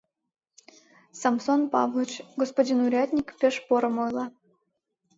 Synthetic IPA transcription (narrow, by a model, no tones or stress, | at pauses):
sɑmsonpɑ̰vlˠot͡ɕɡospodʲinuɾʲat̪ʲnʲikpʲeʃpoɾɤ̆mojlˠɑ